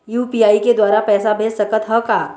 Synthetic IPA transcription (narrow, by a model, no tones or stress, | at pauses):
juːpiːaːiked̪waːɾapɛːsabʱeːssɐkət̪ɦɔkaː